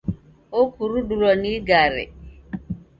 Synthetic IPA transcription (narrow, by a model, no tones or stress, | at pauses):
okuɾuɗuɾɔniɡaɾḛ